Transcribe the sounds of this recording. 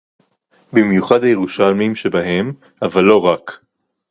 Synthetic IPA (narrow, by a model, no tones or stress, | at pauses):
bimjuχad̪ajeʁuʃalmimʃebaɦem | avalːo̞ʁak